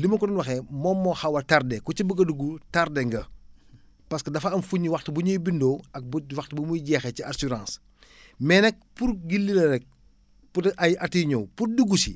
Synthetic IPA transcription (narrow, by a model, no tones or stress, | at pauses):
limɐkɔdɔnwɐxɛmɔːmːɔhɐwɐtardɛkɔt͡ʃibəɡɐduɡutardɛŋɡɐ | pɐskɐdɐfɐɐmfuɲːiwɐxtəbuɲujbindɔːɐk̚buwɐxtbumujɟɛːxɛciasuɾãːs | mɛnɛk̚puɾɡilːilɐɾɛk̚ | puʔɐjʔɐtiɲɔwpurduɡusi